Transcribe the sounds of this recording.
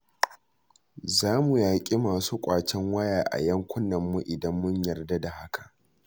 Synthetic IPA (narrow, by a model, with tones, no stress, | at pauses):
zaː˦mu˨jaː˨kʲʼi˦maː˨suː˦kʷʼaː˨t͡ʃɛ˦ŋwɐ˦jaː˨ʔa̰˨jɐ˦ŋkʷʰʊ˦nːɐ˨mːu˦ʔɪ˨dɐ˦mːʊ˦ɲjɐ˨rda˦da˨ha˦kʰḁ˨ʔ